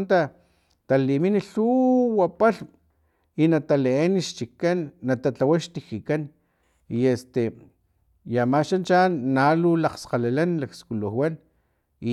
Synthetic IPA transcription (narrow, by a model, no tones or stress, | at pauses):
nt̪a | t̪aliminiɬuwapaɬ | inat̪aleaniʃt͡ʃikanːat̪at͡ɬawaʃt̪ixikan | iest̪e | jamaʃant͡ʃanːalulaqsqalalanlakskuluwan | i